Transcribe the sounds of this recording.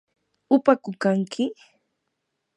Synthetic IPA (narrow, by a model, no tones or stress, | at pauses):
ʊpakʊkaŋkʰɪ